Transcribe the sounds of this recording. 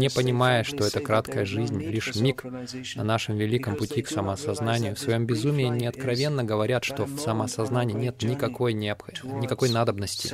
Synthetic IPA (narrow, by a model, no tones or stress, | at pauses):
nʲɪpənʲɪmajɪʂt̪o̞ɛt̪əkɾat̪kəjəʐɨzʲnʲlʲiʂmʲik | nɐnaʂɨmvʲɪlʲikəmpʊtʲiksəməɐsɐznanʲɪjʊfsvɐjo̞mbʲɪzumʲɪɪnʲɪɐt̪kɾɐvʲe̞nːəɡəvɐɾʲat̪ʂt̪o̞fsɐməɐsɐznanʲɪːnʲe̞t̪nʲɪkɐko̞jnʲɪɐpxɐnʲɪkɐko̞jnad̪əbnəsʲtʲɪ̰